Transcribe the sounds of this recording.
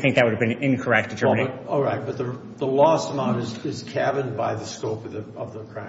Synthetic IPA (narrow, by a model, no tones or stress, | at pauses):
θɪ̃ŋk̚ðɨt̚wʊɾɨvbɨ̃nɪ̃nkʰə˞ɛk̚t̚d̥ɨtʰɜ˞mneɪɔlˠɹaɪt̚b̥ʌt̪̚ðə | ðəlɔsəmãʊ̃ñtɨzɪz̥kʰævɨ̃nbaɪðɨskoʊpʌðɨʌvðəkʰɹ̥ãɪ̃